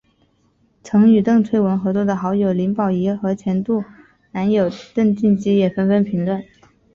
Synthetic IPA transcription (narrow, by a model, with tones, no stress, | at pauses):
t͡sʰɤ˧˥ŋy˨˩t̪ɤ˥˧ŋt͡sʰwe˥˩ɪwə˧˥nxɤ˧˥t͡swɔ˥˩d̪ə˩xɑ˧˥ʊjo˨˩ʊli˧˥ŋpɑ˨˩ʊi˧˥xɤ˧˥t͡ɕʰjɛ˧˥nt̪u˥˩ | na˧˥njo˨˩ʊt̪ɤ˥˧ŋt͡ɕi˥˩nt͡ɕi˥jɛ˨˩fə˥nfə˥npʰi˧˥ŋlwə˥˩n